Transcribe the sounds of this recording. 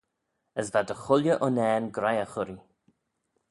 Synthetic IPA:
əsvad̪əxʊljəʔɔnɛːnɡɾajəxʊɾi

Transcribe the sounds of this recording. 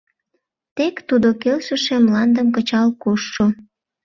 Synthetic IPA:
t̪ekt̪ud̪okelʃə̆ʃemlɑnd̪əmkət͡ɕɑlkoʃːo

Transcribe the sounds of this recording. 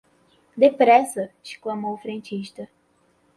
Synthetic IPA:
d̪epɾɛsɐɪʃklɐmowʊfɾẽnt͡ʃiʃt̪ɐ

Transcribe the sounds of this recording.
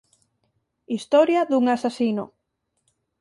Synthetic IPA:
ist̪ɔɾjaðuŋasasino̰

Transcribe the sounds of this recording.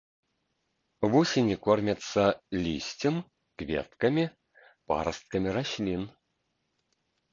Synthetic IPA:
vusʲinʲikɔrmʲɐt̪sɐlʲisʲt͡sʲɪm | kvʲḛt̪kɐmʲi | pa̰ɾɐst̪̚kɐmʲiɾaɕʲlʲin

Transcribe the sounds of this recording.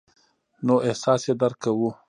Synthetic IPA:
noʔɪhsɑsjed̪aɾkawu

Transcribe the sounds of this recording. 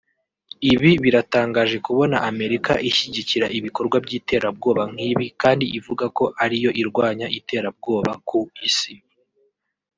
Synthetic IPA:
iβiβiɾataːŋɡaːʒe̞kuβo̞naʔame̞ɾika̰ʔiʃiɟiciɾaʔiβiko̞ɾɡwabɟiːte̞ːɾab̚ɡo̞ːβaŋ̥hiːβikaːndiʔivuɡako̞ʔaɾijo̞ʔiɾɡwaːɲaʔite̞ːɾab̚ɡo̞ːβakʰuisi

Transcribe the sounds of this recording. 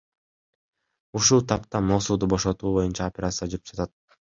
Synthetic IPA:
uʃulˠt̪ʰɑpt̪ɑmo̞suːd̪ubo̞ʃo̞t̪uːbo̞junt͡ʃɑopʲeɾat̪sɨad͡ʒyɾypd͡ʒɑt̪at̪̚

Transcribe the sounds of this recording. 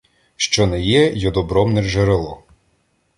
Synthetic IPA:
ʃt͡ʃɔnɛjɛjɔd̪ɔbɾɔmnɛrʒeɾelˠɔ

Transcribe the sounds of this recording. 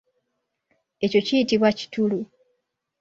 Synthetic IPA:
e̞co̞cijitiβwaci̥tulu

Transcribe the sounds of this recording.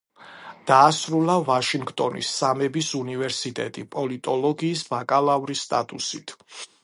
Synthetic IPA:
d̪̥aːsɾulˠavaʃiŋɡt̪ʼɔnḭsːamɛbisunivɛɾsit̪ʼɛt̪ʼipʼɔlit̪ʼɔlɔɡiːsbakʼalavɾist̪ʼa̰t̪ʼusit̪ʰ

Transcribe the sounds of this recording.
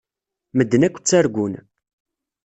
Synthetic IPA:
məd̪ːənækʷːt͡sːæɾɡʷʊn

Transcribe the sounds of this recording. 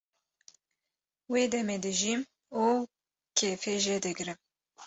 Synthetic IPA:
weːd̪ɛmeːd̪ɨʒim | uː | kʰeːfeːʒed̪ɨɡɾɨm

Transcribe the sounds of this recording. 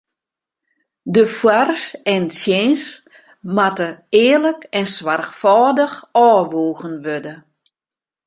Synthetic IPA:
dəfwarsɛntsjens | matəɪːləkɛnswarxfɔːdəxɔːʋoːɣənʋødə

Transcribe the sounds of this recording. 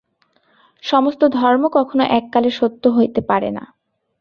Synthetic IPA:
ʃɔmost̪od̪ʱɔɾmokɔkʰonoʔɛkːaleʃot̪ːoɦojt̪epaɾḛna̰

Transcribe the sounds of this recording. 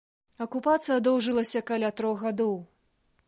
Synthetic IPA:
ɐkupat̪sɨjɐd̪ɔwʐɨlˠɐsʲɐkalʲat̪ɾɔɣɣad̪ɔw

